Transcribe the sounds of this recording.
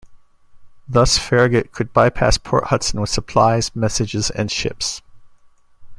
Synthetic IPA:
ðʌsfɛɹɨɡɨʔ̚kʰɨd̚baɪpʰæ̰spʰɔ̰ɹʔ̚hʌtsn̩wəð̥səpʰl̥aɪz̥mɛsɨd͡ʒɨzɨ̰̃nʃɪ̰ps

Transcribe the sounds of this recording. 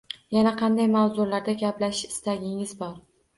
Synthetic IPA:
janaqʰɑnd̪ajmawzʊɾlaɾd̪aɡʲaplaʃɪst̪aɡʲɪŋɪzbɒɾ

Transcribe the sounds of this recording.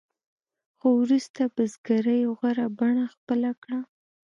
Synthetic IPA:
xowɾust̪abəzɡaɾəjoɣaɾabaɳaxpəlakɽa

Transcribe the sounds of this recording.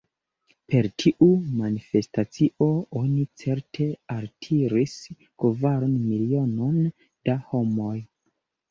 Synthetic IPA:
pe̞ɾtʰiʔumanife̞stat͡siʔo̞o̞nit͡se̞ɾtʰe̞altʰiɾis | kvaɾonmilio̞no̞n | d̥aho̞mo̞j

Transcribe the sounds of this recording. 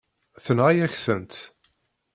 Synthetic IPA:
θənʁajæçθənt̪

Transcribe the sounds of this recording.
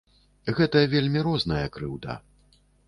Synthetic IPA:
ɣɛt̪ɐjɐvʲelʲmʲiɾɔznɐjɐkɾɨwd̪a̰

